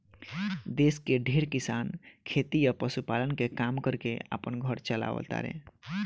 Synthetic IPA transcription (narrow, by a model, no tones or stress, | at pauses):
d̪eskeɖʱeɾkisankʰet̪ijəpəsupalənkekamkəɾkea̰pənɡʱəɾt͡ʃəla̰ʋə̰t̪a̰ɾḛ̃